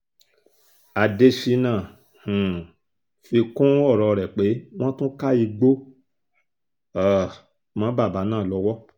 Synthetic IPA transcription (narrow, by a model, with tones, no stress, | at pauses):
a˨de˧ʃi˧nã˦˨ | h̩˨ | fi˧kũ˦ɔ˦˨ɾɔ˧ɾɛ˨k͡pe˨˦w̃ɔ̃˦tũ˦ka˦i˧ɡ͡bo˦ | a˦˨ | mã˨˦ba˦˨ba˨˦nãː˦˨lɔ˧wɔ˦